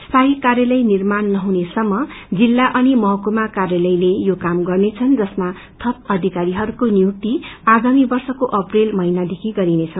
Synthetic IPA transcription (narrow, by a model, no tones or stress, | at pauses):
st̪ʰaɦikarjʌlʌjnirmanːʌɦunesʌmːʌd͡zilːaʔʌnimʌɦʌkomakarjalʌjlejokamɡʌrnet͡sʰʌnd͡zʌsma | t̪ʰʌp̚ʌd̪ʱikaɾiɦʌɾukoniuk̚t̪iaɡamibʌrsʌkoʔʌprelmʌinad̪ekʰiɡʌɾinet͡sʰʌ